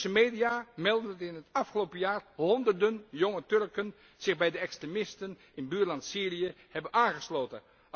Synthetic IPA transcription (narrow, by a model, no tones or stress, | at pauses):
səmeːjdiaːmɛlˠdəntɪnɦətɑfχəlowpəjaːrɦɔndərdənjoŋətɵrkən | z̥ɪχbɛjdəɛkstremɪstən | ɪnbyːɹlɑntsiːrijə | hɛbənaːnχəsloːtən